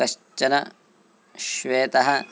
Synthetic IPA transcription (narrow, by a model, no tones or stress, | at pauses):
ɐʃt͡ʃːɐnɐ | ʃʋeːt̪ɐɦɐ